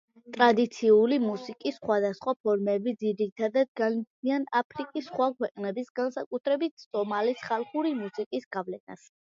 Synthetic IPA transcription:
t̪ʼɾad̪it̪sʰiulimusikʼisχwad̪asχwapʰɔɾmɛbid̪ziɾit̪ʰad̪ad̪̚ɡanit̪ianapʰɾikʼisːχwakʰwɛqʼnɛbisɡansakʼut̪ʰɾɛbit̪ʰsʼɔmalisχalˠχuɾimusikʼisɡavlɛna̰s

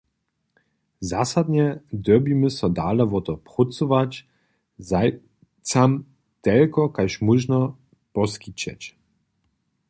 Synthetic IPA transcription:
zasad̪ɲɛd̪œbiməsɔd̪aːlɛvɔt̪ɔpʁut͡suvat͡ɕ | za | t͡sam | t̪ɛlkɔkajʃmuʒnɔ | pɔskit͡ɕɛ̰t͡ɕ

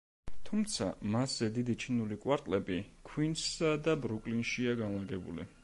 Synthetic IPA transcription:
t̪ʰumt̪sʰa̰maszɛd̪id̪it͡ʃʰinulikʼwaɾt̪ʼlɛbikʰwinsad̪abɾukʼlinʃiaɡanlaɡɛbṵlḭ

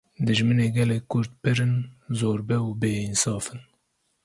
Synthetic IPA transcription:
d̪ɨʒmɨneːɡɛlɛkkʰːʊɾt̪̚pɨɾɨnzoːɾbɛuːbeːinsɑːfɨn

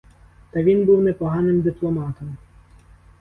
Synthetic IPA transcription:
t̪ɐʋʲinbuwnɛpɔɦɑnɪmd̪ɪplˠɔmɑt̪ɔm

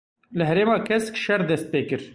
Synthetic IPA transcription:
lɨɦɛɾeːmɑːkʰɛskʃɛɾd̪ɛst̪̚peːkɨɾ

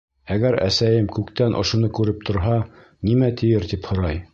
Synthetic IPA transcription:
æɡæɾæ̰sæjɘmkʉkt̪ænʔŏ̰ʃŏnɤkʉɾɘp̚t̪ʰŏɾɦɑ | nimæt̪ʰɘ̆jɘɾt̪iphŏɾɑj

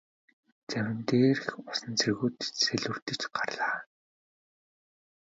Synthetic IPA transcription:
t͡sæmʲɪ̆nt̪eːrxʊsə̆nt͡sʰerɣuːt̪seɮɵ̆r̥t̪ɘ̆t͡ɕɢarɮaː

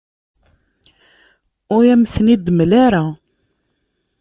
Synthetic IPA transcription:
ʊjæmθnid̪mlaɾa

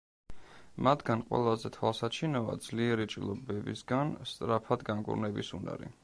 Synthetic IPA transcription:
mat̪ʰɡanqʼwɛ̰lˠazɛt̪ʰwalˠsat͡ʃʰinɔva̰d̪zliɛɾit͡ʃʼḭlˠɔbɛbḭsɡanst̪ʼɾapʰad̪ɡaŋkʼṵɾnɛbisṵna̰ɾḭ

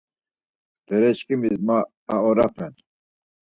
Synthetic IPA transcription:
b̥ɛɾɛɕkimizmaː | ɔɾapʰɛn

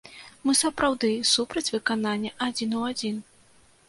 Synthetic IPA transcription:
mɨsɐpɾawd̪ɨsupɾɐt͡sʲvɨkananʲːɐʔad͡zʲinuad͡zʲin

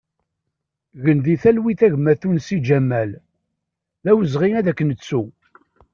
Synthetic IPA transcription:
ɣənd̪iθælwiθæʝmæθunsid͡ʒæmːæl | ðæwəzʁiæðækːənət͡sːu

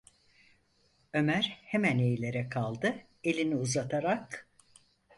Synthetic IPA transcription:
ø̞mæɾhemæne̞jlʲe̞ɾɛkʰalˠd̪ɯ | e̞lʲiniuzat̪ʰaɾak

